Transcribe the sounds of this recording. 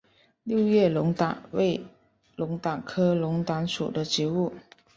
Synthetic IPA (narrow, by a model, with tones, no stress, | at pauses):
ljo˥˧ʊjɛ˥˩lʊ˧˥ŋt̪a˨˩˦we˥˩ɪ | lʊ˧˥ŋt̪a˨˩ŋkʰɤ˥lʊ˧˥ŋt̪wa˧˥nʂṵ˨˩d̪ə˦t͡ɕi˧˥u˥˩